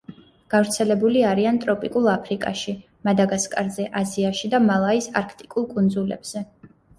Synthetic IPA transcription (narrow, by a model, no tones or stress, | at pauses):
ɡ̥avɾt̪sʰɛlɛbuliaɾiant̪ʼɾɔpʼikʼulˠapʰɾikʼa̰ʃi | mad̪aɡaskʼaɾzɛʔaziaʃid̪amalˠaisa̰ɾkʰt̪ʼikʼulˠkʼund̪zulɛ̰b̥z̥ɛ